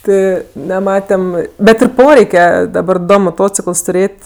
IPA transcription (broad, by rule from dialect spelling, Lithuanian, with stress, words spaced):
ˈtʲɪ nʲɛˈmɑːtʲɛm ˈbʲɛt ɪr ˈpoːrʲɛɪkʲɛ dɐˈbɐr ˈdoː moːˈtoːt͡sʲɪkəlˠs tʊˈrʲeːtʲ